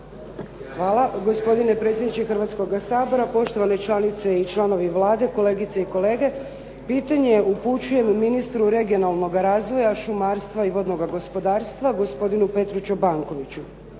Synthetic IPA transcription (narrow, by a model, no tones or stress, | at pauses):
ʋaːlˠaɡo̞spo̞d̪ine̞pɾe̞t̪sʲjed̪nit͡ʃexrʋat̪sko̞ɡasaːbo̞ɾapo̞ʃt̪o̞ʋane̞t͡ʃlˠanit̪se̞it͡ʃlˠano̞ʋiʋlˠaːd̪e̞ko̞le̞ːɡit̪seiko̞le̞ːɡe̞ | piːt̪aɲeʔuput͡ɕuje̞mːinist̪ɾuɾe̞ɡio̞nalˠno̞ɡaɾaːzʋo̞jaʃumaːɾst̪ʋaiʋo̞d̪no̞ɡaɡo̞spo̞d̪aːɾst̪ʋaɡo̞spo̞d̪inupe̞t̪ɾut͡ʃobaŋko̞ʋit͡ɕu